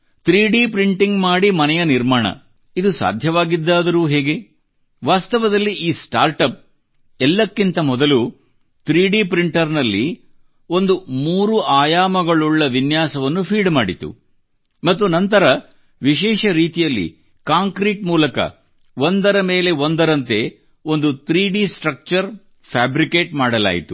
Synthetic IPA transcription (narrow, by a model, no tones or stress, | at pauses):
t̪ɾiːɖiːpɾiɳʈiŋɡmaːɽimɐnɛjɐniɾmaːɳɐ̰ | id̪usa̰ːd̪ʱjɐʋaːɡid̪ːaːd̪ɐɾuːɦeːɡe̞ | ʋaːst̪ɐʋɐd̪ɐlːiʔiːsʈa̰ːɾʈɐp̚ | ɛlːɐkːint̪ɐmɔd̪ɐlu | t̪ɾiːɖiːpɾiɳʈɐɾnɐlːi | o̞nd̪umuːɾuaːjaːmɐɡɐɭuɭːɐʋinjaːsɐʋɐnːupʰiːɖmaːɽit̪ṵ | mɐt̪ːunɐnt̪ɐɾɐ | ʋiʃɛːʃɐɾiːt̪ijɐlːḭ | kaːŋkɾiːʈmuːlɐkɐ̰ | o̞nd̪ɐɾɐme̞ːle̞o̞nd̪ɐɾɐnt̪e̞ | o̞nd̪ut̪ɾiːɖiːsʈɾɐk̚t͡ʃɐɾ | pʰaːbɾikeːʈmaːɽɐla̰ːjḭt̪u